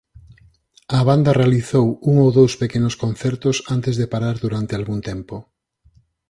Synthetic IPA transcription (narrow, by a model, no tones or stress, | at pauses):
ɐβand̪ɐrealiθowuŋowðowspekenʊskonθɛɾt̪ʊsant̪ɪzðepaɾaɾðuɾant̪ealɣunt̪ɛmpo